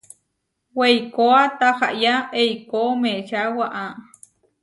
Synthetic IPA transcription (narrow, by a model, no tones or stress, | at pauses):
wejkoat̪ahaʔjaʔejkomẽʃawaʔa